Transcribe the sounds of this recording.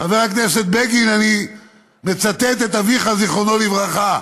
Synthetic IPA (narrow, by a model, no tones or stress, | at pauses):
χaveʁakneset̪̚beɡinani | me̞t͡sat̪et̪̬et̪aviχaziχonolivʁaχa